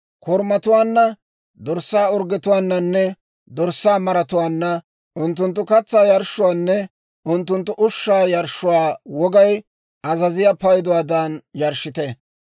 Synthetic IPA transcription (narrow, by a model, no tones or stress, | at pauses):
kɔɾmɐt̪ʊwaːnːɐ | d̪ɔɾsːaːɔɾɡɪt̪ʊwaːnːɐnːɛ | d̪ɔɾsːaːmɐɾɐt̪ʊwaːnːɐ | ʔʊnt̪ːʊnt̪̬ːʊkɐt͡sːaːjɐɾʃːʊwaːnːɛ | ʊnt̪ːʊnt̪ːʊʔʊʃːaːjɐɾʃʊwaːwɔɡɐj | ʔɐzɐzɪjɐpɐjd̪ʊwaːd̪anjɐɾʃɪt̪ɛ